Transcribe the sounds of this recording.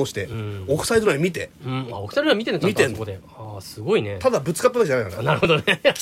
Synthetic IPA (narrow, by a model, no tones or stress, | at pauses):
oɕi̥t̪ẽokɯ̟said̪oɾamʲit̪e̞ɯ̟̃a̰okɯ̟sajd̪ɾamʲit̪enkmit̪k̪ẽsood̪e | asɨɡo̞inet̪ad̪abɯ̟t͡sɨ̥kapːoakid͡ʑanaikanaɾɯhod̪one